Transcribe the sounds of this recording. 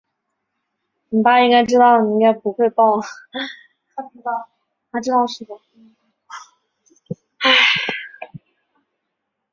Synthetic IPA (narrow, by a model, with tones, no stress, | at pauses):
n̩˨˩pa˥i˥ŋka˥ɪʈ͡ʂɻ̩˥t̪ɑ˥˩ʊni˩i˥ŋka˥˩ɪpu˧˥xwe˥˧ɪpɑ˥˩ʊ | a˥˩ | t̪ʰa˥ʈ͡ʂɻ̩˥ɑ˥˧ʂɻ̩˥˩d̪ə˨˩˥